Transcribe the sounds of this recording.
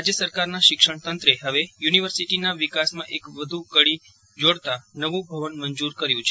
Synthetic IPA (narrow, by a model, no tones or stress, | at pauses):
ad͡ʒjəsəɾkaɾnaʃɪkʃəɳ̃t̪ənt̪ɾeɦəʋejuniʋəɾsiʈinaʋikasmãʔekʋəd̪ʱukəɽi | d͡ʒoɽt̪anəʋũbʱəʋənməɲd͡ʒuɾkəɾjũt͡ʃʰe